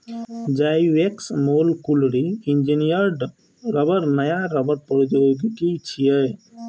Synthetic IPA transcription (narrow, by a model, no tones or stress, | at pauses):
d͡ʒajweksmolkulɽiind͡ʒinijəɾɖ | ɾʌbəɾnəjaɾəbʌɾpɔɾd͡ʒoɡkit͡ʃʰijəj